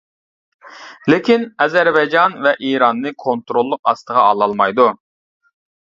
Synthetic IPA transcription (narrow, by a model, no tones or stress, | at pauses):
lekʲinɛzɛɾbɛjd͡ʒɑnvɛʔiɾɑnːɨkʰont̪ɾolˠːʊqɑ̰st̪əʁɑɑlˠɑlˠmɑjd̪u